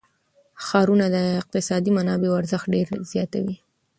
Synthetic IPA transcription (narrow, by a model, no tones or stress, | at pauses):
xɑɾunad̪əɪq̚t̪ɪsɑd̪imanɑbewaɾzəxt̪̚ɖeɾz̥jɑt̪a̰wi